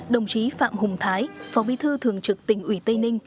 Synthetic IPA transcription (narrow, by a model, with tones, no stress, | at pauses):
ɗə˨˩wŋ͡mt͡ɕi˨˦fa̰ː˧˨mhʊ˨˩ŋ͡mt̪ʰaː˨˦jfɔ˨˦ɓi˨˧˦t̪ʰɨ˧t̪ʰɨ˨˩əŋt͡ɕɨ˨˩k̚t̪ï˧˩ŋ̟ʔwi˧˩t̪ə˧jnï˧ŋ̟